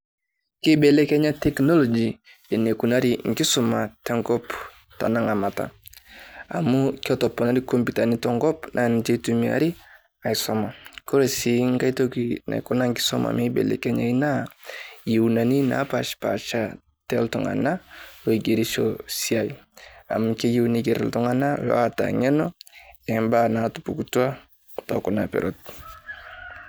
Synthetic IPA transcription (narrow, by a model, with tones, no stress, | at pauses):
ki˦bɛ˨lɛ˦kɛ˦ɲa˦tɛ˨knɔ˦lɔ˨d͡ʒi˨ | ɛ˨ne˨ku˨na˦ɾi˨ŋ˨ɡi˦sɔ˨ma˨tɛ˦ŋɡɔ˦p | ta̰˨na˦ŋa˨ma˨ta̰˨ | a̰˨mu˦ki˦ɔ˦tɔ˨pɔ˨na˦ɾi˦ko˦mbu˨ta˨ni˦tɔ˦ŋɡɔ˦pnʔa˨n˦d͡ʒe˦tu˦mi˦a̰˨ɾi˦ | a˨i˨sɔ˦ma˨ko˦ɾɛ˨si˨ŋɡa˦i˦to˦ki˦na̰˨i˨kɔ˦na˦ŋ˦ɡi˦sɔ˦ma̰˨mi˦bɛ̰˨lɛ̰˨kɛ˦ɲa̰˨i˦na˦ji˨u˨na˨ni˦na̰pa˨ʃpa̰˨t͡ʃa˦ | tɛ˦ltɔ˨ŋa̰˨na˦wo˨i˨ɡe˨ɾi˦ʃo̰˦si˦a˨ja̰˨mke˦ji˦wni˦ɡe˨ɾɛ̰˨ltɔ˦ŋa˦na˦wɔ̰˦ata̰˨ŋɛ˦nɔ˦ɛ˨mba˦na˨tu˨pu˨kutu˦a˦ | tɔ˨ku˨na˨pɛ̰˨ɾo˦t̚